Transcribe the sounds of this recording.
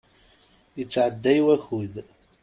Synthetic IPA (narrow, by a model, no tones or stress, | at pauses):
jət͡sːʕəd̪ːæjwæçuð